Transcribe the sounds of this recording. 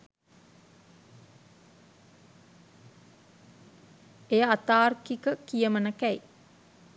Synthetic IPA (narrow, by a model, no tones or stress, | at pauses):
ejəat̪aːrkikəkijəmənəkæj